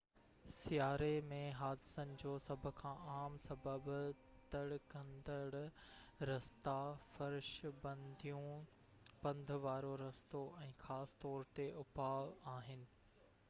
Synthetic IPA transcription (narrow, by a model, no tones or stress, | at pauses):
sijaːɾemẽɦaːd̪ɪsənɪ̆d͡ʑoːsɐbʱʊ̆kʰãːaːmsɐbəb | t̪ɐɽkɐ̃nd̪əɽɾɐst̪afɐɾʃbɐ̃nd̪ʱijũ | pɐ̃nd̪ʱʋaːɾoɾɐst̪oʔɛ̃ːxaːsɪ̥t̪ɔːɾt̪eʊpaːʋaːɦɪnɪ̆